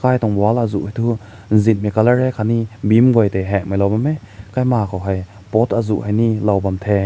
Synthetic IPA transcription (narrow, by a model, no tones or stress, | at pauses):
kajt̪ɔŋbɔalazuʔhajt̪ʰu | n̩zit̚mikalaɹɛkʰanibimɡɔjt̪ɛɦɛʔ̚majlɔwbamɛ | kajmakɔwɦɐj | pɔt̪ʰazṵʔhajnilawbamt̪ʰɛ